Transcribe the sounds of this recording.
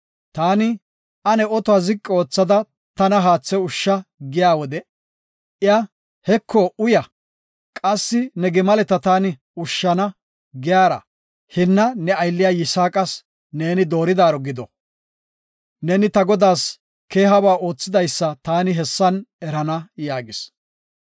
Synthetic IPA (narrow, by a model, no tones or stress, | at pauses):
t̪aːnɪ | ɐnɛɔt̪ɔazɪkʼːɛo̞ːt͡sːɐd̪ɐ | t̪ɐnɐɦaːt͡sːɛʊʃːɐɡɪjaːwɔd̪ɛ | ɪjɐ | hɛkʰːɔʊjɐ | kʼɐsːɪnɛɡɪmɐlɛt̪ɐt̪aːnɪ | ʊʃːɐnɐ | ɡɪjaːɾɐ̰ | hɪnːɐnɛɐjlːɪjaːjɪsaːkʼɐs | ne̞ːnɪd̪o̞ːɾɪd̪aːɾɔɡɪd̪ɔ | ne̞ːnɪt̪ɐɡɔd̪aːs | ke̞ːɦɐbaːʔo̞ːt͡sːɪd̪ɐjsːɐt̪aːnɪɦɛsːɐnɛɾɐnɐjaːɡɪs